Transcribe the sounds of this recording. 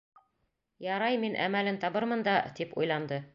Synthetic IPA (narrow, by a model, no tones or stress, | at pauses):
jɑɾɑjminʔæ̰mælɘnt̪ɑβɤɾmɤ̆nd̪ɑt̪ipṵjlˠɑnd̪ɤ